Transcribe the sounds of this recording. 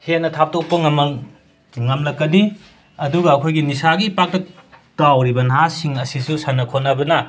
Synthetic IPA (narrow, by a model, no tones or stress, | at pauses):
het̚nɐtʰap̚tok̚pɐŋm | ŋɐmlɐkːɐni | ɐduɡɐːkʰojɡinisaɡipak̚tɐtawɾibɐnɐɦasiŋɐsisusanɐkʰotnɐbɐnɐ